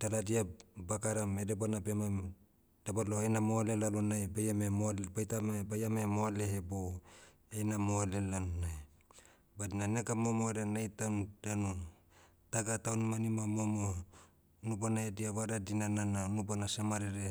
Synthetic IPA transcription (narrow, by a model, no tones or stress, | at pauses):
taladiabakaɾamedep̬anabema | d̥abaloenamoalelalonajbajamemobajtamabajamemoaleɦebow | enamoalelanonaj | badinanekamomoɾenajtandanu | taɡatawnumanimamomo | nupanaediaβaɾadinanananupanasemaɾeɾe